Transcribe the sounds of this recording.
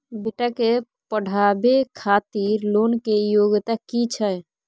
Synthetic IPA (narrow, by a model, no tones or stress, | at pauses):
beʈake | pəɽ̤ʱabekʰat̪iɾlonkejoɡt̪akit͡ʃʰə